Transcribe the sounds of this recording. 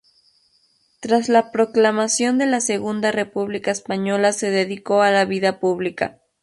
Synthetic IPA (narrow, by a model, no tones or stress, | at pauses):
t̪ɾaslapɾo̞klamasjo̞nd̪e̞lase̞ɣund̪are̞puβlikaespaɲo̞lase̞ðe̞ðiko̞alaβiðapuβlika̰